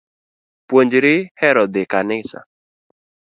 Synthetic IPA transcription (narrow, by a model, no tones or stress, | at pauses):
pwoɲd͡ʒɾɪhɛɾɔd̪ɪkanɪsa̰